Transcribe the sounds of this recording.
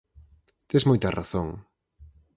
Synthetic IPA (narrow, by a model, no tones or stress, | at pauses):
t̪ezmojt̪ɐ̰ra̰θoŋ